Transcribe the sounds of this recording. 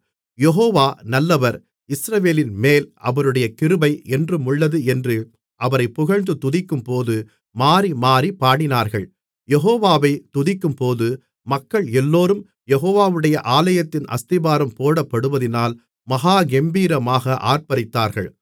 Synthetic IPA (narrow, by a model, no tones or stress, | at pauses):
jɛɦoːʋaːnɐlːɐʋɐɾ | ɪsɾɐʋeːlɪnmeːlʔɐ̰ʋɐɾɯɽɐjɐkɪɾɯbɐɪɛndrɯmʊɭːɐðɯɛndrɯ | ʔɐʋɐɾɐɪpːʊɣɐɻnd̪ɯt̪ːʊðɪkːɯmpoːðɯ | maːɾimaːɾipːaːɽɪnaːɾɣɐɭ | jɛɦoːʋaːʋɐɪt̪ʊðɪkːɯmpoːðɯ | mɐkːɐɭɛlːoːɾɯm | jɛɣoːʋaːʋɯɽɐjɐʔaːlɐjɐt̪ːɪnɐ̰st̪ɪbaːɾɐmpoːɽɐpːɐɽɯʋɐðɪnaːl | mɐɣaːɡɛmbiːɾɐmaːɣɐʔa̰ːɾpɐɾɪt̪ːaːɾɣɐ̰ɭ